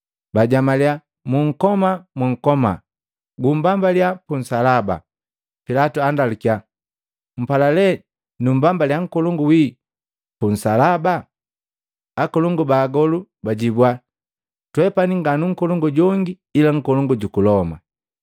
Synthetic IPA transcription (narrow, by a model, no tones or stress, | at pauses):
baɟamalia | muŋ̩kɔmamwuŋ̩kɔma̰ | ɡumbambaljapun̩salaba̰ | pilatuandalukia | m̩palalɛ | numbambaljaŋ̩kɔlɔŋɡuwi | pun̩salaba | kɔlɔŋɡubaːɡɔlubaɟibwa | twɛpaniŋɡanuŋ̩kɔlɔŋɡɔɟɔŋɡiːlaŋ̩kɔlɔŋɡuɟukulɔma̰